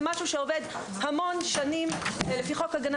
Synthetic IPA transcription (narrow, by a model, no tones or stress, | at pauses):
maʃuʃeoved | hamo̞nʃanimlefiχo̞kaɡan